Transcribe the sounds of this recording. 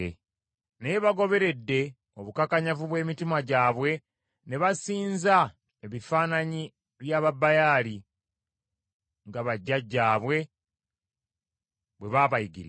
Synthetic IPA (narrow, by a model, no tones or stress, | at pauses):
neβaɡo̞βe̞ɾe̞dːe̞ | o̞βukakaɲavuβwe̞ːmitimaɟaːβwe̞ | ne̞βasiːnza | eβifaːnaɲi | βjaːβabːajaːli | ŋɡaβaɟːaɟːaːβwe̞ | βwe̞βaβajiɡḭɾi